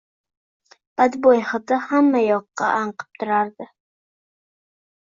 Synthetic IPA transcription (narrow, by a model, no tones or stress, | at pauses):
b̥ad̪bojhɨd̪ahamːajɒqːɑ̰ʔaɴqʰɨ̥p̚t̪ʰʊɾaɾd̪ɪ